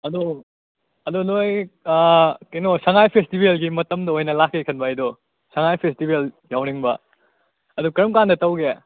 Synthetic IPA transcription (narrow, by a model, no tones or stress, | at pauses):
ɐdo | ɐdonoj | kenosɐŋajpʰestibelɡimɐtɐmdɐojnɐlakːekʰɐnbajdo | sɐŋajpʰestibeljawniŋbɐ | ɐdukɐɾɐmkandɐtɐwɡe